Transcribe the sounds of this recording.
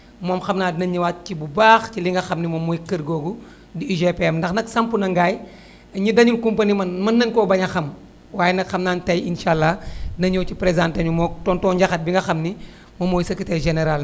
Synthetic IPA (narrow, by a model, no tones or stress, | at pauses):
mɔːmxɐmnaːdnɐɲːiwaːt̚cibubaːxciliŋɡɐxɐmnimomːojikəɾɡoːɡu | diiʒepeɛmndɐxnɐksɐmpunɐŋɡaːj | ɐɲidɐɲuŋkumpanimɐnmɐnːɐŋkɔːbɐɲɐxɐm | waːjenɐkxɐmnaːntɐjinʃaːlːanɐɲɔːwt͡ʃipɾezãːntɐɲumɔtɔːntɔɲɟɐxɐt̚biŋɡɐxɐmni | momːojsɐkitejʒeneɾal